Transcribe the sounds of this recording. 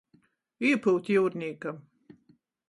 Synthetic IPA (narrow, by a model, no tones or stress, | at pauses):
iɛpuwt̪juːɾnʲiːkam